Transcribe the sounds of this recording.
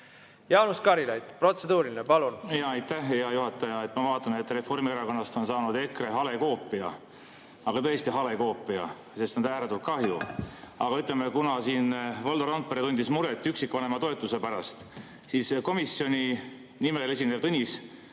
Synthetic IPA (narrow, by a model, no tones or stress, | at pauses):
jɑwnuskɑɾilejt̪pro̞t̪se̞d̪uːɾilinepɑlunjɑːɑjt̪ːæhjɑjuɦɑt̪ːˑɑjɑe̞t̪ːˑmɑvɑːt̪ːˑɑnet̪ːˑre̞fo̞rmieɾɑko̞nːɑst̪o̞nsɑːnud̪e̞kreɦɑle̞ko̞ːpːˑiɑ̰ | ɑɡ̥ɑt̪ɤest̪iɦɑle̞ko̞ːpːˑiɑ̰ | se̞st̪nɑnd̪æːɾet̪ult̪kɑhjuɑɡ̥ɑyt̪ːˑlemekunɑsiːnvold̪oɾɑnt̪̚pːeɾet̪unʲd̪ismuɾet̪ːˑyksikːˑvɑnemɑt̪o̞e̞t̪ˑːusepæɾɑst̪ | siːsko̞misːio̞nʲi | nimele̞s̬ʲine̥t̪ɤnʲis